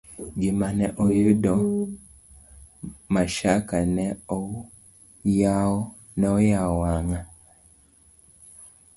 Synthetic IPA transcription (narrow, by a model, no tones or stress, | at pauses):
ɡimanɛʔojedɔ | maʃakanɛɔ | jaɔ | nɛɔjaɔaŋa